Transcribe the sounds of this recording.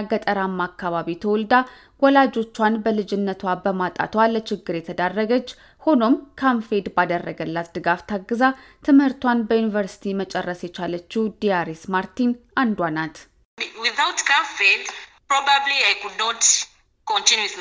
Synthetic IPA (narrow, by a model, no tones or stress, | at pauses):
ɡət̪ʼəɾamːakːaβaβit̪ʰəwɔld̪a | wɔlad͡ʒo̞t͡ʃːwanbəlɨd͡ʒɪnːət̪ʰwabəmat̪ʼa̰t̪ʰwalət͡ʃɪɡːɨɾjɛt̪ʰəd̪arːəɡət͡ʃː | ho̞no̞mkʰaɱfed̪bad̪ərːəɡəlːat̪d̪ɨɡaft̪ʰaɡːɨzat̪ʰɨmhɨɾt̪wanbəjunivəɾsi̥t̪ʰimət͡ʃʼɛrːəsjɛt͡ʃʰalət͡ʃːud̪ijaɾismaɾt̪inand̪wanat̪ | wiθawtkʰãɱfedpɾɔbabliajkudnɔt | kɔ̃ntinjus